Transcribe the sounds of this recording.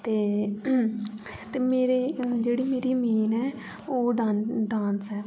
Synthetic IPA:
t̪eː | t̪eːmeːɾeːd͡ʒeːɽiːmeːɾiːmeːnɛː | oːɖanɖãːnsɛː

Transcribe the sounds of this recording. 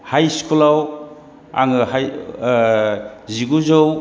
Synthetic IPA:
hajskulaw | a̰ŋɯhaj | ziɡuzow

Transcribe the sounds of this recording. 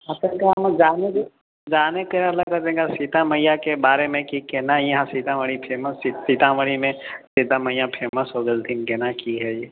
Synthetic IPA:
ɦɐt̪əkamɐd͡ʒaːneke | d͡ʒaːnekelakɐɾt̪ẽkasit̪amɐjakebaːɾemẽkikenajɐɦãsit̪ãʋəɽipʰeːməsisit̪ãʋəɽimẽsit̪amɐjapʰeːməsɦod̪əld̪inkenakiɦɛjeː

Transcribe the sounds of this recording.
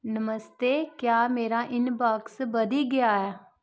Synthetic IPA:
nəməst̪eːkjaːmeːɾãːʔɪnbaːksbəd̪iːɡɪaːaː

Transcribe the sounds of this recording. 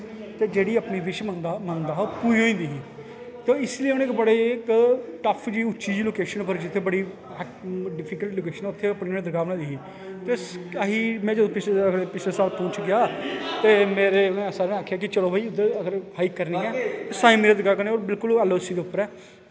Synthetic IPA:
t̪eːd͡ʒeːɽiːəpniːʋɪʃmənd̪amənd̪aːɦoːpuioːĩːd̪iːɦiː | t̪eːɪsliːɦʊneːkbəɽeːɪkʈəpʰd͡ʒiːʊʃiːd͡ʒloːkeːʃənpəɾd͡ʒɪt̪ʰːeːbəɽiː | ɖɪpʰiːkəlʈloːkeːʃənɛʊt̪ʰːeːəpniːeẽd̪əɡaːʋnãːd̪iːɦiː | t̪eːsəɦiːmɛ̃ːd͡ʒəd̪õːpɪt͡ʃlɡəɾpɪt͡ʃʰleːsaːlpɔ̃ːt͡ʃɡɪjaːt̪eːmeːɾeːʊnːsaːɾeːnaːkʰːjaːkɪt͡ʃəloːbaːiːʊd̪eːəɡəɾhaikːəɾniːɛːt̪eːsaːĩːmeːɾeːd̪əɾəɡaːkəɾneːoːɾbɪlkʊlɛːloːsiːd̪eːʊpːəɾɛː

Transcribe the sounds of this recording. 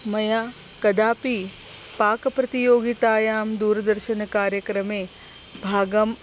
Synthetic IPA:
mɐjaː | kɐd̪aːpi | paːkɐpɾɐt̪ijoːɡit̪aːjaːmd̪uːɾɐd̪ɐɾʃɐnɐkaːɾjɐkɾɐmeː | bʱaːɡɐm

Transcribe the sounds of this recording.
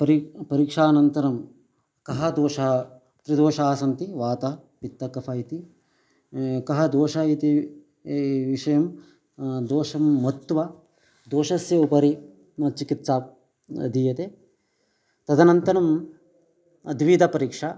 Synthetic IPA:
pɐɾipɐɾiːkʂaːnɐnt̪ɐɾɐm | kɐɦɐd̪oːʃɐ | t̪ɾid̪oːʃaːsɐnt̪iʋaːt̪ɐpit̪ːɐkɐpʰɐit̪i | kɐɦɐd̪oːʃɐit̪i | ʋiʂɐjɐm | d̪oːʂɐmːɐt̪ːʋɐ | d̪oːʃɐsjɐupɐɾi | mɐt͡ʃikit̪saː | d̪iːjɐt̪eː | t̪ɐd̪ɐnɐnt̪ɐɾɐm | ɐd̪ʋid̪ʱɐpɐɾiːkʂɐ

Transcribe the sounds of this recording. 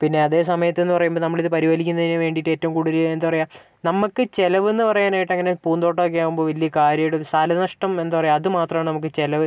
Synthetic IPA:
pinːe̞ɐðe̞ːs̬ɐmɐjɐt̪ːe̞nːɨpɐrɐjumbonɐmːɐɭiðɨpɐɾiʋɐlikʲːunːɐðineʋe̞ːɳɖiʈːe̞ːtːɐʋumkuɽuɾiend̪ɨpɐrɐjaː | nɐmukːɨt͡ɕe̞lɐʋe̞nːɨpɐrɐjaːnaːjiʈːɐŋːɐne̞puːnd̪o̞ːʈːoːk̬ːejaːɣumboːʋɐlːijɐkaːɾjɐjuɽeoɾusaːlɐnɐʂʈɐme̞nd̪upɐrɐjaɐðɨmaːt̪rɐmaːɳɨnɐmuk̬ːɨt͡ɕe̞lɐʋɨ

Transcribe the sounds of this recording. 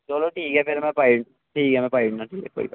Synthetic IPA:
d͡ʒoːloʈiːkɛːpʰeɾmɛ̃pai | ʈʰiːkɦɛmɛ̃paiɳnãːʈʰiːkɛ̰ko̰ːḭbə

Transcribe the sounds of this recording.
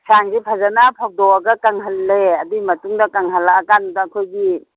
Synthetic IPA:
saŋzipʰazanapʰaw̚dɔwaɡɐkaŋɦalːeadimɐtuŋdɐkaŋɦalaːkanudakʰojɡi

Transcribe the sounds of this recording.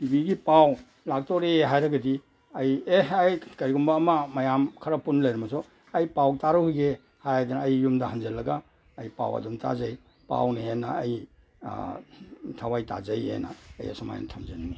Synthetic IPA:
pibiɡipaw | lak̚tɔɾeeɦajɾaɡadi | ajeajkaɾiɡumbaːmamajamkʰɐɾapunlajɾɐmazɔ | ajpawtaɾuhujɡe | hajajdanːjːumdahanzelːɐɡaː | jpa̰wɐ̰dumtʰa̰zaj | pa̰wniɦenaːj | tʰawajta̰zajḛna̰ːja̰sɔma̰j̰natʰamzanani

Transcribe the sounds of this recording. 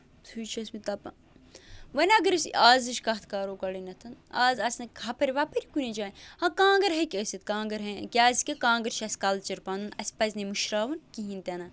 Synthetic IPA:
t̪ʰut͡ʃʰɐsmit̪ɐpɐ̰ | ʋɐnʲɐɡɐɾɨsaːzɨʃkɐɦt̪ʰkaːɾoːkɐɽinɐt̪ʰɐnaːzɐsʲnɐkhɐpɐɾʲiʋɐpɐɾʲikunʲed͡ʒaːnhãkãːŋɡɐɾɦɐkʲəsit̪kãːŋɡɐɾɦɐkʲaːsi̥kʲɐkãːŋɡɐɾt͡ʃʰɐsʲkɐlt͡ʃɐɾpand̪unɐsʲpɐzʲnemuʃɾaːʋɐnkiɦint̪ʲɐnɐ

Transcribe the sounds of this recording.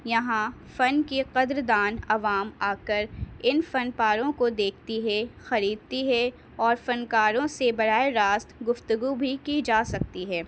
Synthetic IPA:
jɐɦãfɐnkiqɐd̪ɾd̪aːnɐʋaːmaːkəɾɪnfɐnpaːɾõkod̪eːkʰt̪iɦɛxɐɾiːd̪̚t̪iɦɛ | ɔːɾfɐnkaːɾõsebɐɽ̤aːeɾaːst̪ɡʊft̪əɡubʱikid͡ʒaːsɐk̚t̪iɦɛː

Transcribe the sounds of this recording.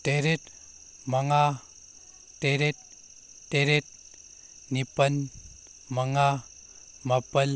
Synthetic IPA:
teɾet̪ | mɐŋa | teɾet̪̚ː | eɾet̪̚ | nipɐn | mɐŋa | mɐpɐl

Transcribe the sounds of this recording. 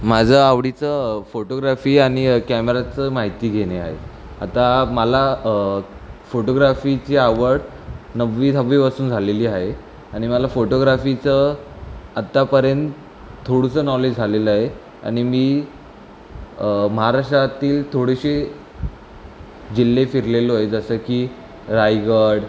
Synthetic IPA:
mad͡zʱəaʋɽit͡səfoʈoɡɾafiːaɽ̃ikæmeɾat͡səmaɦit̪iːɡʱeɽ̃eaɦḛ | a̰t̪aməla | foʈoɡɾafit͡ɕiaʋəɽ | nəʋʋit̪əʋːipasuːnd͡zʱaleliːaɦe | aɽ̃iməlafoʈoɡɾafit͡sə | at̪ːapəɾjənt̪ | t̪ʰːoɽusəːnɔled͡ʑd͡zʱaleləaɦe | a̰ɽ̃imiː | məɦaɾaʂʈat̪iːlt̪ʰoɽeɕe | d͡ʑilːefiɾleləɦojed͡zəsəkiː | ɾajɡəɽ

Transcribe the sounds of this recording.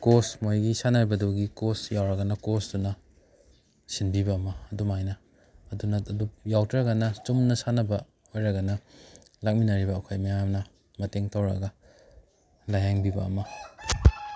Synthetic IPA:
kosmojɡisanaɾibɐduwɡikosjawɾɐɡɐnɐkosdunɐ | sinbibɐːmɐːdumajnɐː | dunɐdujawtʰɾɐɡɐnɐt͡ʃumnɐsanɐbɐ | ojɾɐɡɐnɐ | lak̚minaɾibɐːkʰajmɐjamnɐ | mɐteŋtɐwɾɐ̰ɡɐ | lajaŋbibɐ̰ːmɐ

